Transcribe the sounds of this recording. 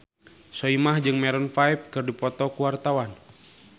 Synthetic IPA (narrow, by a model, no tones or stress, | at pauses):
sɔimahd͡ʒɨŋmɛɾɔnfaip̚kɨrdipɔt̪ɔkuwart̪awan